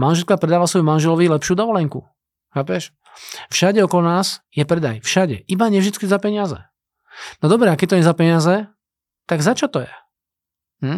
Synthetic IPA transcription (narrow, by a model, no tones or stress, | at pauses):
manʒɛlkapɾɛd̪aːʋasʋɔjumanʒɛlɔʋilɛpʃjud̪ɔʋɔlɛŋku | xaːpɛʃ | fʃaɟɛɔkɔlɔnaːsjɛpɾɛd̪a̰jfʃaɟɛ̰ʔibaɲɛvʒd̪it͡skizapɛɲɪazɛ̰ | nɔd̪ɔbɾɛakɛt̪ɔɲɛzapɛɲɪazɛ | t̪aɡzat͡ʃɔt̪ɔjɛ | m̩